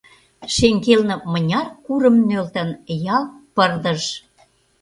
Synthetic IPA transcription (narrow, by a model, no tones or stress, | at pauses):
ʃeŋɡelnə̆mə̆nʲɑrkuɾə̆mnølt̪ə̆njɑlˠpərd̪ə̆ʃ